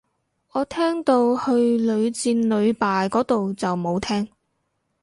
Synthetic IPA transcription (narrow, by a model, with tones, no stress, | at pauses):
ɔː˨˧t̪ʰɛː˥ŋt̪o˧whɵ˧ɥlɵ˨˧ɥt͡siː˧nlɵ˨˧ɥpaː˨jkɔː˨˥t̪o˨wt͡sɐ˨wmo˨˧wt̪ʰɛː˥ŋ